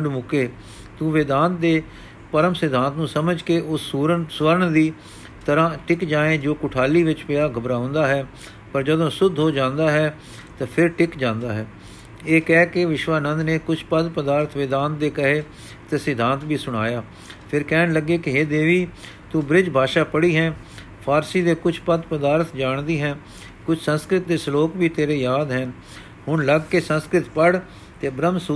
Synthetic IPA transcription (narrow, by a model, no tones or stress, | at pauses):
ɖmʊkeː | t̪ũːʋeːd̪ãːnt̪̚d̪eː | pəɾəmsɪd̪ʱãːnt̪nũːsəməd͡ʒkeʔʊsɾsʋəɾəɳd̪iː | t̪əɾãːʈɪkd͡ʒãːẽːd͡ʒoːkʊʈʰaːliːʋɪt͡ʃpɪaːɡəbɾaːʊ̃nd̪aːɦɛː | pəɾd͡ʒəd̪õːsʊd̪ʱɦoːd͡ʒãːnd̪aːɦɛː | t̪ãːpʰɪɾʈɪkd͡ʒãːnd̪aːɦɛː | eːkɛːkɪʋɪʃʋaːnə̃nd̪neːkʊt͡ʃʰpəd̪pəd̪aːɾt̪ʰʋeːd̪aːnt̪̚d̪eːkəɦeː | t̪esɪd̪ʱãːnt̪biːsʊɽ̃aːjaː | pʰɪɾkɛːnləɡeːkɪɦeːd̪eːʋiː | t̪uːbɾɪd͡ʒbʱaːʃaːpəɽiːɦɛ̃ː | pʰaːɾsiːd̪eːkʊt͡ʃʰpəd̪pəd̪aːɾt̪ʰd͡ʒaːɳd̪iːɦɛ̃ː | kʊt͡ʃʰsə̃nskɾɪt̪̚d̪eːsloːkbiːt̪eːɾeːjaːd̪ɦɛːn | ɦʊnləɡkesə̃nskɾɪt̪pəɽ | t̪eːbɾəmsu